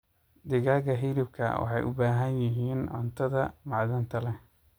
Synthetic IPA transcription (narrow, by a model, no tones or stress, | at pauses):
d̪ɪɣaːɣɐɦilɪb̚kʰɐ̰wɑ̰ħɑ̰jʔʊ̰baːɦɐnjɐɦiːnʕɔ̰nt̪ʰɐðɐmɑʕðɐnt̪ʰɐlɛ